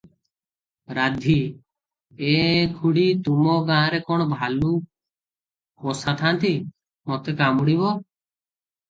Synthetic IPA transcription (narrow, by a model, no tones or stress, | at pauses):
ɾad̪ʱi | ekʰuɽit̪umɔɡããɾekɔɽ̃ɔbʱalu | kosat̪ʰant̪i | mot̪ekamuɽiβɔ